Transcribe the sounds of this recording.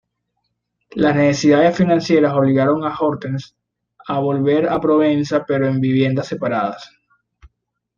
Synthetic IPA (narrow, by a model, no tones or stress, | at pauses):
lasne̞se̞siðaðe̞sfinãnsje̞ɾaso̞β̞liɣaɾo̞ŋaxo̞ɾt̪ens | aβo̞lβe̞ɾapɾo̞βensape̞ɾo̞e̞mbiβ̞je̞nd̪ase̞paɾaðas